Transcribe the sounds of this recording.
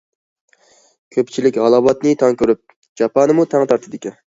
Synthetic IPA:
kʲʰøpt͡ʃʰilɪkʲʁɑlˠɑwɑt̪nɨt̪ʰɑŋkʲøɾyp̚ | d͡ʒɑpʰɑnɨmut̪ʰæŋt̪ʰɑɾt̪ʰɨd̪ɪkʲi

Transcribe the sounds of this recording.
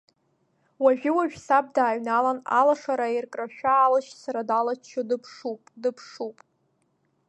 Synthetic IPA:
waʒᶣɪwaʒᶣsab̚daːɥnalana̰laʂaɾairkʼraʃᶣaːlɨʃsaɾadalat͡ʃʰodɨpʰʂupʼdɨpʰʂupʼ

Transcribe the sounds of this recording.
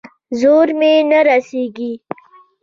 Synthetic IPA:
zoɾmenaɾaseɡi

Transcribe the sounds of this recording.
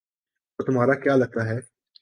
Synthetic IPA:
t̪ot̪ʊmɦaːɾakjaːlɐɡ̚t̪aɦɛː

